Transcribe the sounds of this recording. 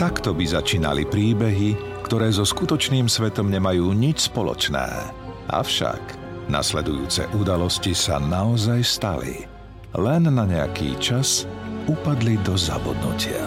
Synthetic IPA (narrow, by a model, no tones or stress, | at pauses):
t̪akt̪ɔbizat͡ʃiːna̰lipɾiːbɛɦi | kt̪ɔɾɛːzɔskut̪ɔt͡ʃniːmsʋɛt̪ɔmɲɛmajuːɲit͡ʃspɔlɔ̰t͡ʃnɛ̰ː | ʔa̰fʃa̰ɡ̥ | na̰slɛd̪ujuːt͡sɛ̰ʔud̪alɔscisa̰naɔzajst̪a̰lḭ | lɛnːaɲɛa̰kḭːt͡ʃasupad̪lid̪ɔza̰bɔd̪nṵcɪa̰